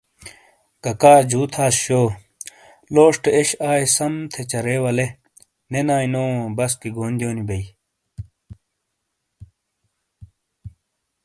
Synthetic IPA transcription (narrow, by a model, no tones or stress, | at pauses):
kɐkaːd͡ʑuːt̪ʰaːsɕoː | loːʂʈeeɕaːesɐmt̪ʰet͡ɕɐɾeːwɐle | nenaːinoːbɐskiɡoːnd̪joːnibɐi